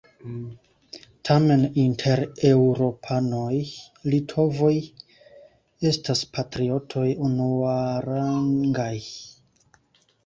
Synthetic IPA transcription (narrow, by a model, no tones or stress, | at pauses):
tʰame̞nintʰe̞ɾewɾo̞pʰano̞j | litʰo̞vo̞j | e̞staspʰatɾio̞tʰo̞junuaɾaŋɡaj